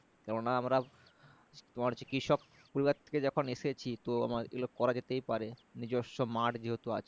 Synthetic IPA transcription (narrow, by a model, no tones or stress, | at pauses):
kɛɾonːaamɾa | t̪omaɾt͡ɕikiʃɔk | poɾibat̪ʰe̥ked͡ʑɔkʰoneʃet͡ɕʰit̪oa̰maɾḛlokkːɔɾad͡ʑet̪ejpaɾenid͡ʑoʃːomaʈd͡ʑeɦot̪ua̰t͡ɕʰe